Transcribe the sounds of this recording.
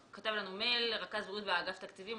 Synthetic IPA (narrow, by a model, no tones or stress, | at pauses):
kat̪avlanume̞lʁakazbʁut̪veaɡaft̪akt̪ivim